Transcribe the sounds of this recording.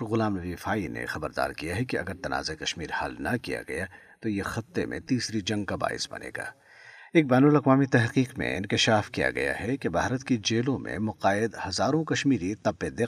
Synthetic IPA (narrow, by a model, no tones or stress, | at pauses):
ɣʊlaːmnɐʋiːfaːinḛxɐbəɾd̪a̰ːɾkijaɦɛkiɐ̰ɡəɾt̪ɐna̰ːzekɐʃmiːɾhɐlnɐkija̰ɡɐ̰ja | t̪ojexɐt̪ːemḛ̃t̪iːsɾid͡ʒɐ̃ŋɡ̚kaba̰ːɪ̰sbɐ̰nḛːɡa̰ː | eːk̚bɛːnʊlɐqʋaːmit̪ɛɦqiːqmḛ̃ɪ̃nkɪʃaːfkija̰ɡɐ̰ja̰ɦɛkebʱaːɾət̪kid͡ʒeːlõmḛ̃mʊqaːɪd̪hɐzaːɾõkɐʃmiːɾit̪ɐpːed̪ɪ